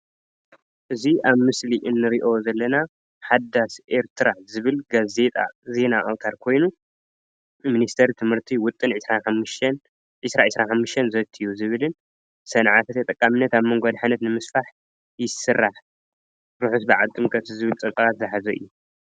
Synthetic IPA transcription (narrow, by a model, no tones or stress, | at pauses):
ʔɨziʔaβmɨsliʔɨnːɨɾiʔo̞zɐlːɐna | ħad̪asʔe̞ɾt̪ʰɨɾazɨβɨlɡaze̞t̪ʼa̰ze̞naʔɐβkʰaɾkʰo̞jnu | minist̪ʰɐɾt̪ʰɨmhɨɾt̪ʰiwʊt̪ʼːɨnʕɨsɾanħamːʃn | ʕɪsɾaʕɨsɾanħamːɨʃt̪ʰɐnzɐt̪ʰːijuzɨβɨlɨn | sɐnʕat̪ʰɐt̪ʰɐt̪ʼɐkʼːamɨnːɐt̪aβmɨŋɡod̪ħanɐt̪nɨmɨsfaħ | jɪsɨrːaħ | ɾuħut̪bɨʕat̪ʼːɨmkʼɐt̪zɨβɨlt̪ʼɐkʼɐat̪zɐħazɐʔɨ̰jːu